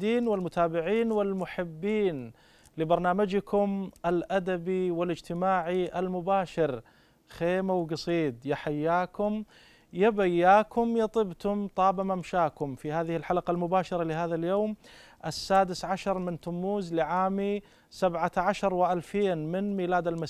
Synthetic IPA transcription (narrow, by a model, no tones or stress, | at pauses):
iːnwɪlmʊt̪aːbɪʕiːnwɪlmʊħɪbːiːn | lɪbɑɾˤnaːmad͡ʒkʰʊmʔɪlʔad̪abiwɪlɪd͡ʒt̪ɪmaːʕiʔalmʊbaːʃɪɾ | xeːmawɡɑsˤiːd̪jaħajːaːkʊm | jabajːaːkʊmjɑt̪ˤɨbt̪ʊmt̪ˤɑːbamamʃaːkʊmfihaːðɪhɪlħalqalmʊbaːʃɑɾˤɑlɪɦaːðaljoːm | ʔɪsːaːd̪ɪsʕaʃɑɾˤmɪnt̪ʊmːuːzlɪʕaːmi | sabʕaʕaʃɑɾˤwɪʔalfeːnmɪnmiːlaːd̪almas